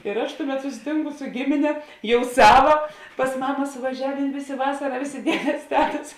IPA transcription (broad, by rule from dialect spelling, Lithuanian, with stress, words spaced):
ɪr ɐʃ ˈtʊˌmʲɛt sʊsʲɪˈtʲɪŋkʊ sʊ ˈɡʲɪmʲɪnʲɛ ˈjɛʊ ˈsɑːʋɐ pɐs ˈmɑːmɐ sʊʋɐˈʒʲæːʋʲeːn ˈʋʲeːˌsʲeː ˈʋɑːsɐrɐ ˈʋʲeːˌsʲeː ˈdʲiɛdʲeːs ˈtʲæːtɐs